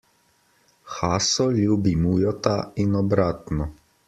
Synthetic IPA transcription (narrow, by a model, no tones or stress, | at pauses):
xaːsɔlʲuːbimuːjɔt̪ainɔbɾaːt̪nɔ